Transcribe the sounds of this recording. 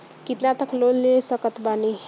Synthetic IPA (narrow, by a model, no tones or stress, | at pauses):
kit̪nat̪əklolnesəkət̪bane